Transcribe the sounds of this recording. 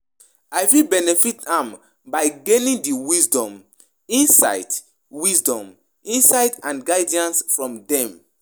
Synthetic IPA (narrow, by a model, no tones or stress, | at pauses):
ajvibɛnɛfitãm | baɪɡenĩndiwisdɔ̃m | ĩnsa̰ɪd | wisdɔ̃m | ĩnsaɪdãnɡaɪdiãnsfɹɔ̃mdɛ̃m